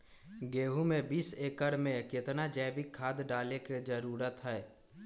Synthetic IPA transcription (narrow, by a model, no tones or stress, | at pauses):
ɡeːɦumẽbiːseːkəɾmẽkɪt̪nad͡ʒɛːbɪkʰːaːd̪ɖaːleked͡ʒəɾuːɾət̪ɦɛː